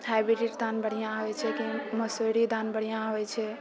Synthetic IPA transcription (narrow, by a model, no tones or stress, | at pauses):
habiɾiʈd̪ʱanbəɽ̤ijãɦojt͡ʃʰɛkiməsoɾid̪anbəɽ̤ijãɦojt͡ʃʰɛ